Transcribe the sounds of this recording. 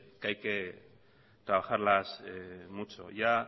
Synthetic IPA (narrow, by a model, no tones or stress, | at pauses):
kajke | t̪ɾaβaxaɾlasmut͡so̰ja